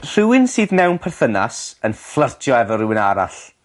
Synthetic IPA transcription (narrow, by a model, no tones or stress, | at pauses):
r̥ɪwɪnsiːðmɛwnpʰɛrθəna̰sənflˠərtʰjɔɛvɔrɪwɪnaɾa̰ɬ